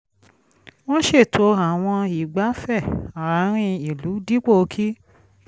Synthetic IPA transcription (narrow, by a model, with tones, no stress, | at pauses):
w̃ɔ̃˦ʃe˦˨tʰo˧a˨w̃ɔ̃˧i˨ɡ͡ba˨˦fɛ˦˨a˨ɾa˨˦ɾ̃ĩ˦˧i˨lu˨˦di˦k͡po˦˧kʰi˦